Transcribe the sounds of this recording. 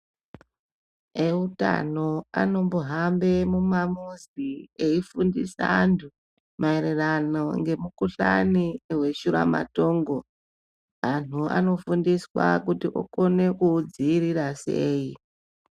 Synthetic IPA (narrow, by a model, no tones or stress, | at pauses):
e̞uta̰no̞a̰no̞mbuɦambe̞mumamuzie̞ifundḭsantʰu | maeɾeranoŋɡe̞mukuɬanieɦwe̞ʃuɾa̰ma̰to̞ːŋɡo̞ | man̤ua̰no̞fundiswakutiʔo̰ko̞ne̞kud͡ziːrirase̞ːi